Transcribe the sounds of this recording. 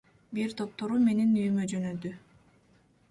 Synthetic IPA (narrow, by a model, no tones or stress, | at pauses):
biɾt̪ʰo̞p̚t̪o̞ɾume̞ninyjymød͡ʒø̞nød̪y